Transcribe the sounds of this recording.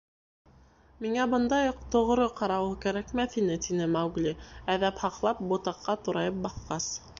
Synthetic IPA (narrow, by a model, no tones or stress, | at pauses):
miŋæbɤ̆nd̪ɑjqt̪ŏʁɾɤqɑɾɑwɤkæɾækmæθinɘt̪inɘmæwɡlʲiæðæphɑqlˠɑp̚bŏt̪ɑqːɑt̪ŭɾɑjɤp̚bɑθqɑs